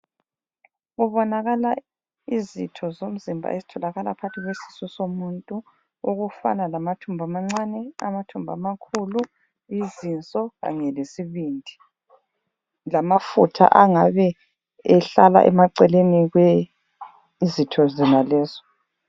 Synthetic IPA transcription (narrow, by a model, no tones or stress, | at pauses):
ɣuβɔnaɣala | izitʰɔzom̩zimbʱa̰ʔezitʰɔlaɣalapʰatʰiɣwesi̥susomuntʼu | uɣufa̰nalamatʰumbʱamaŋ͡ǀanɛa̰matʰumbʱamakʰulu | izint͡sʼɔɣa̰ŋɛlesiβindʱi | lamafutʰa̰ʔaŋaβɛ | ɛɬala̰ʔɛ̰maǀɛleniɣwɛ | zitʰɔzɛnalɛːzɔ